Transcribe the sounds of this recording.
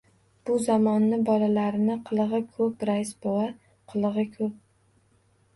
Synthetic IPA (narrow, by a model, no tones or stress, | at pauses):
b̥ʊzamɒnːɪbɒlalaɾɪnɪqʰɨlˠɨʁɨkʰɵpɾaɪsbowa | qʰɨlˠɨʁɨkʰɵp̚